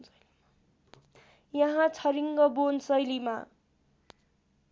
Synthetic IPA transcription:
jʌɦãt͡sʰʌɾiŋɡʌbonsʌjlima̰

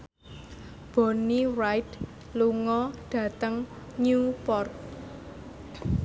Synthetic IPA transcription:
b̥o̤niwajd̪ | luŋɔɖ̥ä̤t̪əŋ | ɲupɔrk̚

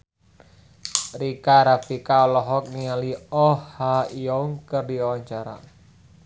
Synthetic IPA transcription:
rikaɾapikaɔlɔɦɔk̚nialiɔhhaiɔuŋkərdiawaɲt͡ʃaɾa̰

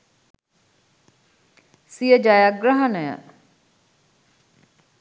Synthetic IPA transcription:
sijəd͡ʒajaɡɾɐɦɐnəjə̰

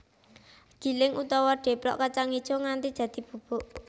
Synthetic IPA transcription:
ɡ̥i̤lɪŋʔut̪ɔwɔɖ̥e̤pɾɔ̰ʔkat͡ʃaŋid̥ʒ̥oŋant̪id̥d̥ä̤d̪̥i̤b̥ṳb̥o̤ʔ

